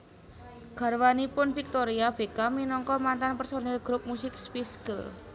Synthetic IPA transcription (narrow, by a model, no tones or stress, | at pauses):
ɡ̥a̤rwanipʊnfik̚t̪oɾiab̥ekaminɔŋkɔmant̪anpɛrsonɛlɡɾʊp̚musɪkspiskəl